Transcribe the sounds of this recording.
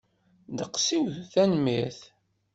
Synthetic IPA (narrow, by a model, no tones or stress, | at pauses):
d̪əqsiwθænmiθ